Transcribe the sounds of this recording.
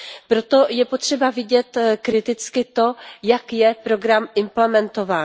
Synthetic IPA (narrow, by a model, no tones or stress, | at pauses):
pɾo̞t̪o̞jɛpot̪r̝̥ɛbavɪɟɛt̪kɾɪt̪ɪt͡skɪt̪o̞jakjɛpɾo̞ɡɾamɪmplɛmɛnt̪o̞vaːn